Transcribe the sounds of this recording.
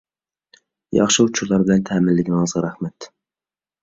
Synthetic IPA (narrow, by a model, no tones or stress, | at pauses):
jɑ̰χʃɨut͡ʃʰuɾlˠɑɾbɪlɛnt̪ʰɛːmɪlːɪɡʲɪnɪɑzʁɨɾæχmɛt̪